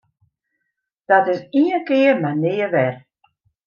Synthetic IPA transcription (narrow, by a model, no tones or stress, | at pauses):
d̥ɔtɪsiənkɪərmanɪːəʋɛr